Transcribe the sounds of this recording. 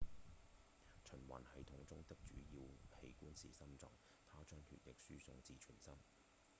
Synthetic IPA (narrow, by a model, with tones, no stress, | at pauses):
t͡ʃʰɵ˨˩nwa̰ː˨˩nhɐ˨˥jt̪ʰʊ˨˥ŋt͡sʊ˥ŋt̪ɪ˥k̚t͡ʃyː˨˥jiː˧whe˨˧jkuː˥nsḭː˨sɐ˥mt͡sɔ̰ː˨˩ŋ | t̪ʰaː˥t͡ʃœː˥ŋtʰy̰ː˨˩tlɪ˨k̚syː˥sʊ˧ŋt͡siː˧t͡ʃʰyː˨˩nsɐ˥m